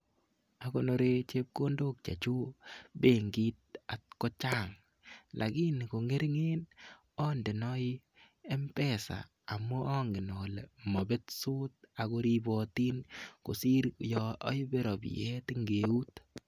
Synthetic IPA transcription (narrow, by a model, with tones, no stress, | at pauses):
a˨ko˨no˨˧ɾe˦t͡ʃe˦p̚ko˦ndo˦k̚t͡ʃa̰˨t͡ʃu˦be˦˨ŋɡi˦t̪̚a˨t̚kɔ˦t͡ʃa˦ŋ | lʔa̰˨ki˦n˨ko˨ŋe˦ɾŋe˦n | ɔ˦nde˨nɔ˦i˦ | ɛ˦mpɛ˦sa̰ː˨ | mɔ˦ɔ˦ŋɡɪ˨nɔ˨le˨mɔ˨be˦tsu˦t̚a˨ko˧ɾi˦bɔ˨ti˦nko̰˨si˦ɾjɔɔ˦jbe˦ɾɔ˨b̰jɛ˦tɪ˦ŋɡe˨u˦t